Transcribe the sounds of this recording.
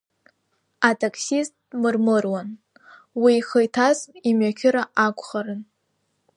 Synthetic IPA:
atʰaksist̚ʼ | mɨrmɨrwan | wiːχəjtʰazimɥakʲʰɪɾaʔakʷʰʼχaɾɨn

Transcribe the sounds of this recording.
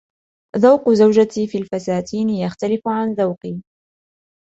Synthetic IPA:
ðawqʊzawd͡ʒat̪iːfiːlfasaːt̪ʰiːnɪjaxt̪alɪfʊʕanðawqiː

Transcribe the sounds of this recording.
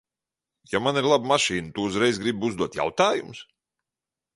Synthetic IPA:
jamaniɾlˠabmaʃiːnt̪uuzɾɛjzɡɾibuzd̪uɔt̪ja̰wt̪aːjums

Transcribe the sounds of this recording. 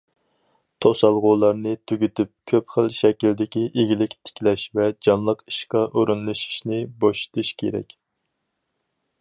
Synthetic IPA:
t̪ʰosɑlˠʁʊːlˠɑɾnɨt̪ʰyɡʲit̪ɪp̚kʲʰøpχəlʃɛkʲild̪ɪkʲiʔeɡʲilɪkʲt̪ʰɪ̥kʲlɛʃvɛd͡ʒɑnlˠəqi̥ʃqɑʔoɾunlˠɨʃi̥ʃnɪboʃi̥t̪ʰuʃkʲʰḛɾɛ̰kʲ

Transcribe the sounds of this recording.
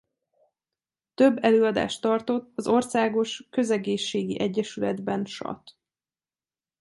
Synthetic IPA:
t̪ø̞bːɛløːɒd̪a̰ːʃt̪ɒrt̪o̞t̪ːɒzo̞rsaːɡo̞ʃkø̞zɛɡeːʃːeːɡiʔɛɟːɛʃylɛd̪bɛnʃɒ̰t̪

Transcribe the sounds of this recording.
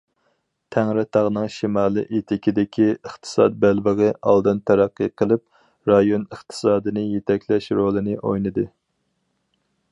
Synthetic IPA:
t̪ʰæŋɾɪt̪ʰɑʁnɨŋʃimɑːlˠɨ̰ʔet̪ʰɪkʲʰid̪ɪkʲʰiəχt̪ʰɨ̥sɑ̰t̪̚bælbəʁɨʔɑ̰lˠd̪ɨnt̪ʰæɾæqːɨqʰəlˠɨp̚ | ɾɑjonəχt̪ʰɨ̥sɑːd̪ɨnɨjet̪ʰɛkʲlɛʃɾolˠɨnɨʔojnɨd̪ɨ

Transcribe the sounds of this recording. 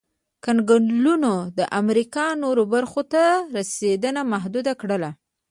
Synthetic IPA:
kanɡʊɳlunod̪əʔamɾikɑnoɾobaɾxot̪aɾased̪ənamaɦd̪ud̪akɽəla

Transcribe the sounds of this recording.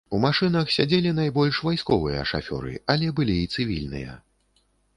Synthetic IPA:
umaʂɨnɐxsʲad͡zʲelʲin̪ajbɔlʲʂvajskɔvɨjɐ̰ʂa̰fʲɔ̰ɾɨ̰alʲɛbɨlʲiːt̪sɨvʲilʲnɨ̰jɐ̰

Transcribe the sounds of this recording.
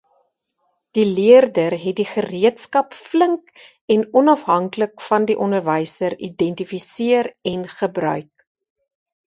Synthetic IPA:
d̥iliərdərɦɛt̚diχəriətskɐpfləŋk | ɛnɔnɐfɦɐŋkləkfɐndiʔɔndərvəjsdəɾidɛntifisiərɛnχəbrœ̰ɥk̚

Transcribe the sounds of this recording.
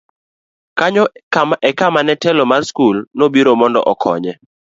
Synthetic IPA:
kaɲɔkaʔɛkamanɛtɛlɔmarskulnobiɾomɔndɔ̰ʔɔkʰɔ̰ɲɛ

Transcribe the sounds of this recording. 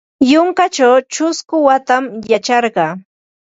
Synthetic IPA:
joŋkat͡ʃawt͡ʃʊskʊwat̪amjat͡ʃɑɾɢɑː

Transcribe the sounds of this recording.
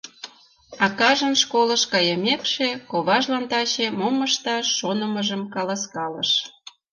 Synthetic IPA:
ɑkɑʒənʃkoləʃkɑjəmʲekʃekoβɑʒlɑnt̪ɑɕemoməʃt̪ɑʃːonəməʒəmkɑlɑskɑlə̰ʃ

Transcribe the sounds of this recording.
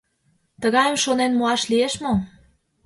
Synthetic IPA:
t̪əɣɑjəmʃonenmoɑʃlieʃmo

